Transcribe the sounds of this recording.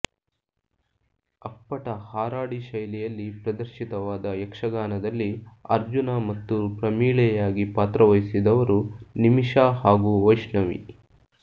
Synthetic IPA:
ɐpːɐʈɐhaːɾaːɽiʃɐjlɛjɐlːipɾɐd̪ɐɾʃit̪ɐʋaːd̪ɐjɛkʂɐɡaːnɐd̪ɐlːiɐɾd͡ʒunamɐt̪ːupɾɐmiːɭɛjaːɡipaːt̪ɾɐʋɐjsid̪ɐʋɐɾunimiʂaːɦaːɡuʋɐjʂɳɐʋḭ

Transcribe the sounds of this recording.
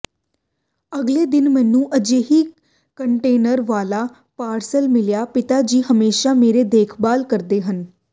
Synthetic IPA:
əɡleːd̪ɪnmɛ̃ːnũːʔəd͡ʒeːɦiː | kəɳʈeːnəɾʋaːlaː | paːɾsəlmɪljaːpɪt̪aːd͡ʒiːɦəmeːʃaːmeːɾeːd̪eːkʰbaːlkəɾd̪eːɦən

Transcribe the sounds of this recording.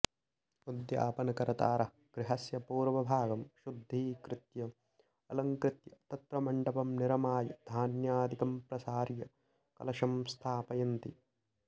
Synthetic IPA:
ud̪ja̰ːpɐnɐkɐɾɐt̪aːɾɐ | ɡ̥ɾɪɦɐsjɐpuːɾʋɐbʱaːɡɐmʃud̪ʱːiːkɾɪt̪jɐ | ɐlɐŋkɾɪt̪jɐt̪ɐt̪ɾɐmɐɳɖɐpɐmniɾɐmaːjɐd̪ʱaːnjaːd̪ikɐmpɾɐsaːɾjɐ | kɐ̰lɐʃɐmst̪ʰaːpɐjɐnt̪i

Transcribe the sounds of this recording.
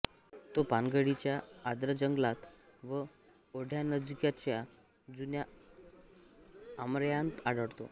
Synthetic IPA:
t̪opanɡəɽit͡ɕjaːd̪ɾəd͡ʑəŋɡlat̪ | ʋə | oɽʱjanəd͡zkjat͡ɕja | d͡zunja | mɾjãnt̪aɽəɽt̪o̰

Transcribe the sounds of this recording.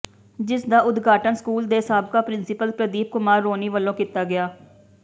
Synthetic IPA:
d͡ʒɪsd̪aːʊd̪ɡaːʈənskuːld̪eːsaːb̚kaːpɾɪnsɪpəlpɾəd̪iːp̚kʊmaːɾːoːniːʋəlːõːkit̪aːɡɪjaː

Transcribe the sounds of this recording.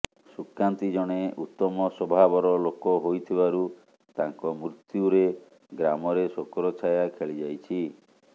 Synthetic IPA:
sukant̪id͡ʒɔɽ̃eut̪ːɔmɔsobʱabɔɾɔlokɔɦojt̪ʰibaɾu | t̪aŋkɔmɾut̪juɾe | ɡɾamɔɾesokɔɾɔt͡ʃʰajakʰeɭid͡ʒajt͡ʃʰi

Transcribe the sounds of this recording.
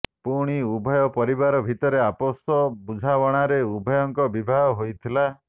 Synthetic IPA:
puɽ̃iubʱɔjɔpɔɾiβaɾɔbʱit̪ɔɾeapɔsɔbud͡ʒʱawɔɽ̃aɾeubʱɔjɔŋkɔbibʱaɦɔɦojt̪ʰila

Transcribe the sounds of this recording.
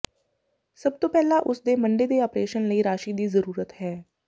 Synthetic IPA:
səb̚t̪oːpɛːlaːʔʊsd̪eːməɳɖeːd̪eːɔːpɾeːʃənləiːɾaːʃiːd̪iːzəɾuːɾət̪hɛː

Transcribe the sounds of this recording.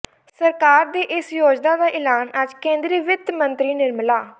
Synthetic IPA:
səɾkaːɾd̪iːʔɪsjoːd͡ʒd̪aːd̪aːʔɪlaːnəd͡ʒkẽːnd̪ɾiːʋɪd̪mənt̪ɾiːnɪɾmlaː

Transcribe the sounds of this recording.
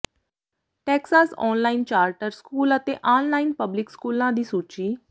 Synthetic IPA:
ʈeːksaːsɔ̰ːnlaint͡ɕaːɾʈəɾskuːlət̪eʔaːnlaːinpəblikskuːlãd̪iːsut͡ʃiː

